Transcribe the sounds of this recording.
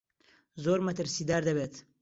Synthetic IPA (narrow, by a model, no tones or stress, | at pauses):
zoːɾmɐt̪əɾsid̪aːɾd̪ɐbet̪